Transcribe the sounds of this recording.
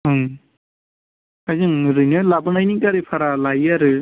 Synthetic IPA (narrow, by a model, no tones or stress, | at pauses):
ɦɯŋ | ajzɯŋɾɯjnɔlabɯnajnikaɾipʰaɾalajaɾɯ